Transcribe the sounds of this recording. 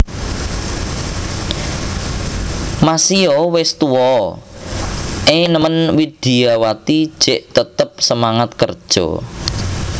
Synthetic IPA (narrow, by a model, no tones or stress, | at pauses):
masiɔwɪst̪uwɔ | ʔenəmənwid̪̥iawat̪id̥ʒ̥eʔt̪ət̪əp̚səmaŋat̪̚kərd̥ʒ̥ɔ̰